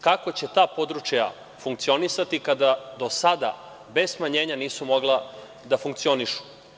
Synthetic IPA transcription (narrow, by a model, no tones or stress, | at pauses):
kako̞t͡ɕe̞t̪aːpo̞d̪ɾut͡ʃja̰ | fuŋkt̪sio̞nisat̪ikad̪ad̪o̞sad̪a̰ | be̞zsmaɲe̞ːɲaniːsumo̞ɡlˠa | d̪afuŋkt̪sio̞niʃu̥